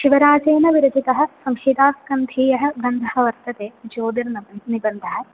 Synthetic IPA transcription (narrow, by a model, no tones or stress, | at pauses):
ʃiʋɐɾaːd͡ʒeːnɐʋiɾɐd͡ʒit̪ɐɦɐ̆sɐmhiːd̪aːskɐnd̪ʱiːjɐɦɐ̆ɡɐnd̪ʱɐɦɐʋɐɾt̪ɐt̪eːd͡ʒoːd̪iɾnɐɐnibɐnd̪ʱɐɦɐ̆